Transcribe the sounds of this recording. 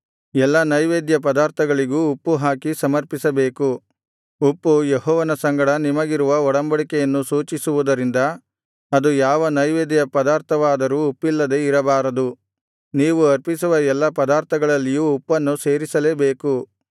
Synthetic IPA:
ɛlːɐnɐjʋeːd̪jɐp̬ɐd̪aːɾt̪ʰɐɡɐɭiɡuːpːuɦaːkisɐmɐɾpisɐbe̞ːku | upːujeɦɔːʋɐnɐsɐŋɡɐɽɐnimɐɡiɾuʋɐɔɽɐmbɐɽikɛjɐnːusuːt͡ʃisuʋud̪ɐɾind̪ɐ | ɐd̪ujaːʋɐnɐjʋeːd̪jɐpɐd̪aːɾt̪ʰɐʋaːd̪ɐɾuːpːilːɐd̪e̞iɾɐbaːɾɐd̪u | niːʋuɐɾpisuʋɐɛlːɐpɐd̪aːɾt̪ʰɐɡɐɭɐlːijuːpːɐnːuse̞ːɾisɐleːbe̞ːku

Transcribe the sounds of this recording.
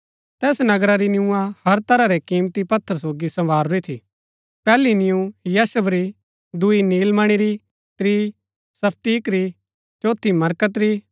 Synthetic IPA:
t̪ɛːsnɐɡɾaɾinjũːãhɐɾt̪ɐɾaɾɛkiːmt̪ipɐt̪ʰːəɾsoːɡisɐ̃ʋaːɾoit̪ʰi | pɛːlinɪjũjaːsəbɾi | d̪ʊiniːlmɐɽ̃iɾi | t̪ɾiː | sɐpʰʈiːkɾi | t͡ʃoːt̪ʰːimɐɾkət̪ɾi

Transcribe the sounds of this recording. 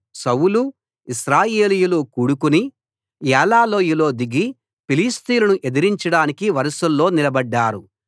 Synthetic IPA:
sɐwulu | isɾaːjeːlijulokuːɽukuni | jɛːlaːlo̞ːjulo̞ːd̪iɡi | piliːst̪iːlɐnuʔe̞d̪iɾiɲt͡ʃɐɽaːnikiʋɐɾɐsɐlːo̞ːnilɐbɐɖːaːɾu

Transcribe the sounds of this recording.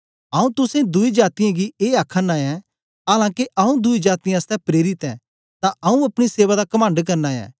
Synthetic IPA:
ɐũt̪ʊsẽd̪ʊid͡ʒaːt̪ɪjãɡieːakʰːənaːɛ̃ | aːlãːkeʔɐũd̪ʊid͡ʒaːt̪ijãəst̪ɛpɾeːɾɪt̪ɛ̃ | t̪ãɐũɐpɽ̃iseːʋad̪akɐmə̃ɳɖk̬ɐɾnaːjɛ̰̃ː

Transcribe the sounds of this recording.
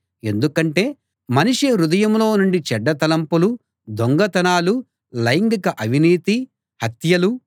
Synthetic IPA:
e̞nd̪ukɐɳʈe̞ː | mɐniʂeɾud̪ɐjɐmlo̞ːnuɳɖit͡ʃɛɖːɐt̪ɐlɐmpulu | d̪oŋɡɐt̪ɐnaːlu | lɐjŋɡikɐʔɐʋiniːt̪i | hɐt̪jɐlu

